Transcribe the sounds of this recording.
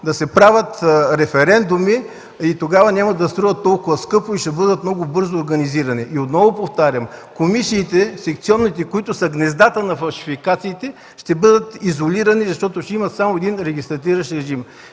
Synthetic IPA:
d̪ɐsɛpɾavʲət̪ɾɛfɛɾɛnd̪umi | it̪oɡavɐnʲamɐd̪ɐst̪ɾɔɐt̪ːɔlˠkʊvɐskɤpʊiʃt̪ɛbɤd̪ət̪mnɔɡʊbɤɾzoːɾɡɐniziɾɐniʔiot̪nɔvopoft̪aɾʲəmkomisiːt̪ɛsɛkt̪siɔnːit̪ɛkoit̪ʊsəɡnɛzd̪at̪ənɐfɐlˠʃi̥fikat̪siːt̪ɛ | ʃt̪ɛbɤd̪ət̪izoliɾɐnizɐʃt̪ɔt̪oʃt̪ɛimɐt̪samoɛd̪inɾɛɡist̪ɾɐt̪iɾɐʃɾɛʒim

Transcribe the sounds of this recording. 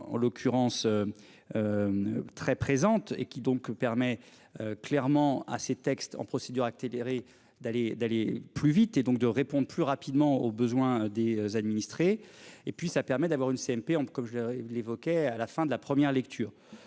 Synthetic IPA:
ɑ̰̃lɔkʰʲyʁɑ̃sø | øt̪χɛpχezɑ̃t̪ḛkʲid̪ɔ̃kpɛʁmɛ | øklɛʁmɑ̃a̰set̪ɛkst̪ɑ̰̃pχɔsed̪yʁakseleʁe | d̪aled̪aleplyvit̪ed̪ɔ̃k̚d̪əʁepɔ̃d̪ʁəplyʁapid̪mɑ̃obəzwɛ̃d̪ezad̪minist̪χeepɥisapɛʁmɛd̪avwaʁynseɛmpeɑ̃kɔmʒəllevɔkʲɛalafɛ̃d̪əlapχəmjɛʁlɛkt̪ʰyːʁ

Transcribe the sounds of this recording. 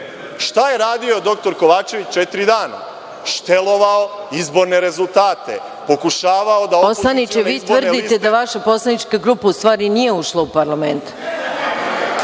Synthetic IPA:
ʃt̪aje̞ɾaːd̪io̞d̪o̞k̚t̪o̞ɾkoʋaːt͡ʃe̞ʋit͡ɕt͡ʃet̪ɾid̪aːna̰ | ʃt̪elˠo̞ʋaoizbo̞ɾne̞ɾe̞zulˠt̪aːt̪e̞̰ | po̞kuʃaːʋaod̪aoosanit͡ʃeʋiːt̪r̩d̪it̪ed̪aʋaʃapo̞slˠanit͡ʃkaɡɾupaust̪ʋaːɾinije̞uʃlˠaupaɾlˠament̪

